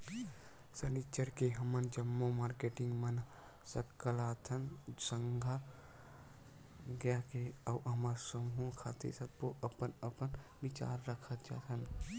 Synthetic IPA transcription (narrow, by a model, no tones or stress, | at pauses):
sənit͡ʃəɾkeɦəmənd͡ʒəmːomaːɾkeːʈɪ̃ŋɡmən | səkːəlaːt̪ʰənsə̃ŋɡʱa | ɡjakeəːɦəmaɾsəmũkʰa̰ːt̪ḛsəbkoʔəpənəpənʋɪt͡ʃa̰ːɾːəkʰət̪d͡ʒa̰ːt̪ʰən